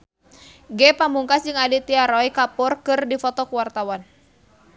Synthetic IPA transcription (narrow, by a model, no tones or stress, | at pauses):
ɡɛpamuŋkasd͡ʒɨŋadit̪iaɾɔjkapɔrkɨrdifɔt̪ɔkuwart̪awan